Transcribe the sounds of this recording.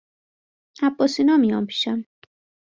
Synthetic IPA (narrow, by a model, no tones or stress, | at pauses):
æbːɒːsinɒːmijɒ̰ːnpʰi̥ːʃæm